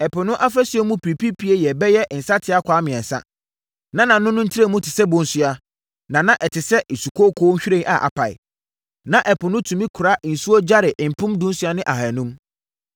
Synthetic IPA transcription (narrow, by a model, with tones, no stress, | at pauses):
ɛ˨pʊ˨nʊ̃˦ʔa˦fɾɛ˦sʊ˨˦ɛ˦mũ˦pʰi˨pʰi˦pʰi˦e˦jɛ˨bɛ˦jɛ˦n̩˨sa˦tʰɪ˦a˦kʷʰaː˨˦mɪ̃˨ɛ̃˨n˨sa̰˦ | nã˦nã˨nʊ̃˦nʊ̃˦n̩˦tʰi˦ɾe˦˨mũ˦tʰɪ˨sɛ˦bʊ̃˨n̩˦sʊ˦a˨ | nã˨nã˦ʔɛ˨tʰɪ˨sɛ˦ʔe˨su˨kʰo˦kʰoː˦ɲ̩˦ɕᶣi˦ɾẽ˦ŋa̰˨ʔa̰˨pʰa˨ɪ̰˨ | nã˨ʔɛ˨pʰʊ˨nʊ̃˦tʰũ˨mĩ˦kʰu˨ɾa˦ʔn̩˨su˦o˦d͡ʑa˦ɾɪ˨ʔm̩˨pʰʊ̃˦mdʊ̃˦n˦sʊ˨˦a˦nɪ̃˦ʔa˨ha˨nʊ̃˦m